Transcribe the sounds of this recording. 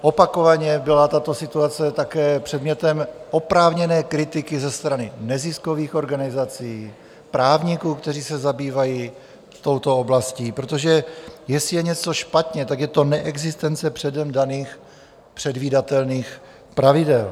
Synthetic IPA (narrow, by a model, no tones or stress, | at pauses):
ʔo̞pako̞vaɲɛbɪlat̪at̪o̞sɪt̪uat͡sɛt̪akɛːpr̝̥ɛdmɲɛt̪ɛmʔopɾaːvɲɛnɛːkɾɪt̪ɪkɪzɛst̪ɾanɪnɛzɪsko̞viːxo̞ɾɡanɪzat͡siː | pɾaːvɲɪkuːkt̪ɛriːsɛzabiːvaji | t̪o̞wt̪o̞oblasciːpɾot̪o̞ʒɛjɛsɪjɛɲɛt͡so̞ʃpat̪ɲɛt̪akjɛt̪o̞nɛʔɛɡzɪst̪ɛnt͡sɛpr̥ɛdɛmdaniːx | pr̝̥ɛdviːdat̪ɛlniːx | pɾavɪdɛl